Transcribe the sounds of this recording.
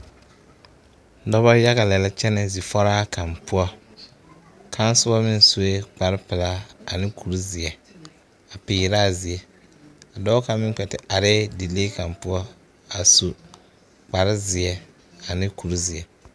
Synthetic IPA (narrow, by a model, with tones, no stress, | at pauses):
dɔ˦bɔ˦ja˦ɣa˨lɛ˨lɛ˦t͡ʃɛ˦nɛ˨zi˨fɔ˦ɾaː˦kʰa˨mpʊ˦ɔ˦ | kʰa˦n˦sʊ˦bɔ˦mɪ˦n˨su˦e˦k͡pa˨ɾɪ˦pɪ˨la˦a̰˨nɪ˦kʰu˨ɾi˦zɪ˨ɛ˨ | a˨pɪː˨˦ɾaː˦˨zi˨ɛ˨ | a˨dɔː˦ka˨mɪ˦k͡pɛ˨tɪ˨a˨ɾɛː˦di˨leː˦ka˨mpʊ˦ɔ˦ | a˨su˨ | k͡pa˨ɾɪ˦zɪ˨ɛ˨ | a˨nɪ˦ku˨ɾi˦zɪ˨ɛ˨